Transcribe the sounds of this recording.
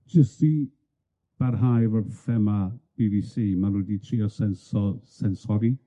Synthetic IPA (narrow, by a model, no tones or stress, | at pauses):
d͡ʒəsti | b̥aɾɦajvərfɛmab̥ibisiːmanwɛditʰriːɔsɛnsɔsɛnsɔɡi